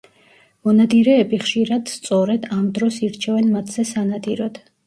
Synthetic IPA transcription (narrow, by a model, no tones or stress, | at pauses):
mɔnad̪iɾɛːbiχʃiɾad̪̥st̪sʼɔɾɛd̪amd̪ɾɔsiɾt͡ʃʰɛvɛnmat̪ʰz̥ɛsanad̪iɾɔd̪̥